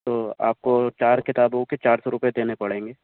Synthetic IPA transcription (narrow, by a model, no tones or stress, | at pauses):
t̪oːa̰ːp̚kot͡ʃaːɾkɪt̪aːbõket͡ʃaːɾsɔɾʊpjed̪eːnepɐɽẽːŋɡeː